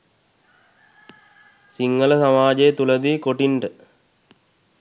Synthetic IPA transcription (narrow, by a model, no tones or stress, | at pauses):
siŋɡɐlɐsɐmaːd͡ʑɐet̪ulɐd̪ikoʈiɳɖɨ